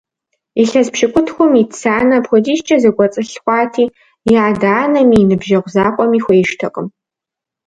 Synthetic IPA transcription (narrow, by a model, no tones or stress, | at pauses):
iɬɐzpʃɪkʷʰʼʊtʰxʷʊmitsaːnɐpxʷʊdiːʃt͡ʃʼɐzɐɡʷɔt͡sʼɨɬxʷɑːtʰiː | jjaːdaːnɐmiːnɨbʒɐʁʷzaːqʷʼɔmiːxʷejʃtʰɐqʼəm